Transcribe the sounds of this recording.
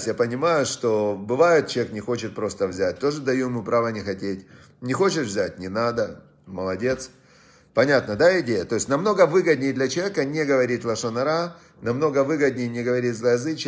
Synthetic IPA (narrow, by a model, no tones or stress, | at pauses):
sʲtʲjapənʲɪmajʊʂt̪o̞bɨvajɪt̪̚t͡ɕɪɐjeknʲɪxo̞t͡ɕɪt̪̚pɾo̞st̪əvzʲæt̚ʲt̪o̞ʐɨd̪ɐjujɪmupɾavənʲɪxɐtʲetʲ | nʲɪxo̞t͡ɕɪt̪vʲzʲætʲnʲɪnad̪ə | məlˠɐdʲe̞t̪s | pɐnʲat̪nəd̪aɪdʲejət̪o̞ɪsʲnɐmno̞ɡəvɨɡəd̪ʲnʲɪjd̪lʲɐt͡ɕɪjekənʲeɡəvɐɾʲit̚ʲlˠɐʂənɐɾa | nɐmno̞ɡəvɨɡəd̪̚ʲnʲɪjnʲɪɡəvɐɾʲitʲzlˠɐjɐzɨt͡ɕ